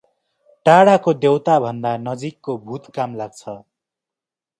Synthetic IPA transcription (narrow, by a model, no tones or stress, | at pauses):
ʈaɽakod̪ewt̪abʱʌnd̪anʌd͡zikːobʱut̪kamlaɡ̚t͡sʰʌ